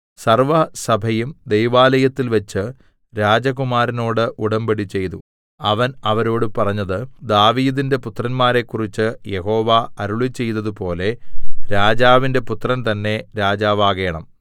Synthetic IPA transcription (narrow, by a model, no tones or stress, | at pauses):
sɐrʋɐsɐbʱɐjumd̪ejʋaːlɐjɐt̪ːilʋɐt͡ɕːɨ | ɾaːd͡ʑɐɣumaːɾɐno̞ːɽɨʔuɽɐmbɐɽit͡ɕːe̞jt̪ṵ | ɐʋɐnɐʋɐɾo̞ːɽɨpɐrɐɲːɐðɨd̪aːʋiːðinde̞put̪rɐnmaːɾe̞kːurit͡ɕːɨje̞ho̞ːʋaɐɾuɭit͡ɕe̞jt̪ɐðupo̞ːle̞ɾaːd͡ʑaːʋinde̞put̪rɐnt̪ɐnːe̞ɾaːd͡ʑaːʋaːɣeːɳɐm